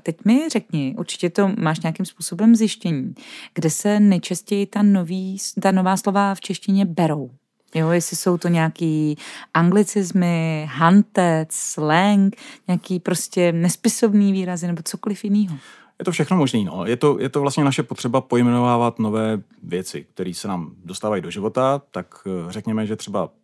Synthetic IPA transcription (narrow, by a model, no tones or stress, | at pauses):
t̪ɛcmɪrɛkɲɪʔṵɾt͡ʃɪ̥cɛt̪o̞maːʃɲakɪmspuːso̞bɛmzjɪʃcɛɲiːɡ̥dɛsɛnɛt͡ʃascɛjɪt̪anoviːt̪ano̞vaːslo̞vaft͡ʃɛʃcɪɲɛbɛɾo̞w | jojɛsɪso̞wt̪o̞ɲaakiːʔaŋɡlɪt͡sɪzmɪɦant̪ɛt͡slɛŋkɲaakiːpɾo̞scɛnɛspɪso̞bniːviːɾazɪnɛbo̞t͡soko̞lɪfjɪniːɦo | jɛt̪ofʃɛxnomoʒniːno̰jɛt̪ojʔɛt̪ovlast̪ɲɛnaʃɛpot̪r̥ɛbapo̞jmɛnovaːvat̪no̞vɛːvjɛt͡sɪ̰k̚t̪ɛɾiːsɛnaːmdost̪aːvajidoʒɪvo̞t̪at̪akrɛkɲɛmɛʒɛt̪r̥ɛba̰